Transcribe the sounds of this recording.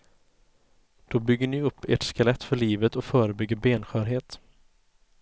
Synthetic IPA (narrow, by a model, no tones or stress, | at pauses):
d̪̥ɔbʏɡːəɳɪɵpːḛːʈskalɛt̪ːfœɭiːvət̪ɔfœːɾəbʏɡːəɾbeːnɧœːɾɦeːt̪